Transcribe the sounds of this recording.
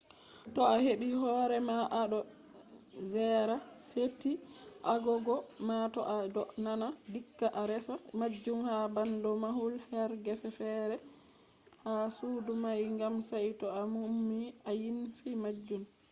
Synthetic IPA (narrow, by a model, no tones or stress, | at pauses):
tɔaheɓihɔːɾɛmaʔaɗɔ | zɛɾasetːiʔaɡɔɡɔmatɔ̰ʔadɔʔnanadikːaʔaɾɛsamad͡ʒːumhabandɔmahulhɛɾɡɛfɛfɛɾɛ | hasuːdumajŋɡamsajtɔamumːiajinfimad͡ʒːum